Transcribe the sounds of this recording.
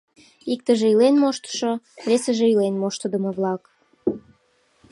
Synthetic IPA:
ik̚t̪ə̆ʒĕilenmoʃt̪ə̥ʃoβesə̆ʒĕilenmoʃt̪ə̆d̪ə̆mə̆βlɑk

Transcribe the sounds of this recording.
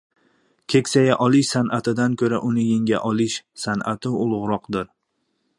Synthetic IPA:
kʲʰe̞kʲsajaʔɒlˠɪʃsanʔat̪ʰɪd̪ankʲʰɵɾaʔʊnɪjeŋɡʲaʔɒlˠɪʃsanʔat̪ʰɪʊlˠʊʁɾɒqd̪ɪɾ

